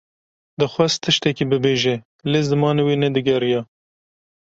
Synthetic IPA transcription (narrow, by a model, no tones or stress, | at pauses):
d̪ɨxʷast̪ʰɨʃt̪ɛkibɨbeːʒe | lezd̪ɨmɑːnewiːnɛd̪ɨɡɛɾjɑ